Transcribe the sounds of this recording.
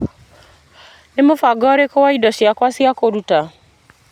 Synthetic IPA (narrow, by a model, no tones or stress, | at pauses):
nemofaɡɔɾekowaidɔʃɪakwasiakoɾuta